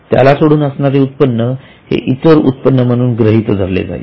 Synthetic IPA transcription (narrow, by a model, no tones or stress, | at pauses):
t̪ja̰lasoɽuːnəsɳaɾeut̪̚pənːə | hḛʔit̪əɾṵt̪pənːəm̤əɽ̃uːnɡɾəɦit̪d͡zʱəɾlḛd͡za̰ḛ